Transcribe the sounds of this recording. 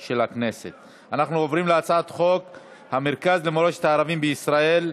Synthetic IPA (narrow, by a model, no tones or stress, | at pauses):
ʃelakne̞se̞t̪ | anaχnuovʁimleat͡saat̪χo̞k | hameʁkazlemoloʃet̪aːʁavimbeisʁae̞l